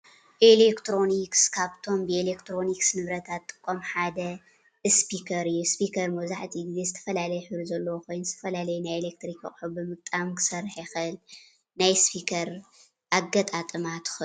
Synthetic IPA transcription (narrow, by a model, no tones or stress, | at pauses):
ʔelekt̪ɾo̞nikskʰaβt̪ʰo̞mbɨelekt̪ʰɾo̞niksnɨβɾɐt̪ʰat̪ːʼɨ̥kʼːomħad̪ɐ | ɨspikʰɐɾɨjːuspikʰɐɾmɐzaħt̪ʰiɡzezɨt̪ʰɐfɐlalɐjħɨβɾuzɐlːɐwokʰo̞jnzɨt̪ʰɐfɐlalɐjnajelek̚t̪ɾikʰɐχʼħubɨmɨk̚t̪ʼamkʰɨ̥sɐrħjxɨɨl | najspʰikʰɐɾ | ʔaɡɐt̪ʼat̪ʼɨmat̪ʰɨ̥xɨ